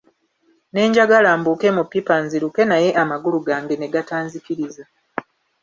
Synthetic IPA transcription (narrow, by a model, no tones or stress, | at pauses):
ne̞ːɲɟaɡalaːmbuːke̞mupːipanziɾuke̞naje̞ʔamaɡuluɡaːŋɡe̞ne̞ɡataːnzikiɾiza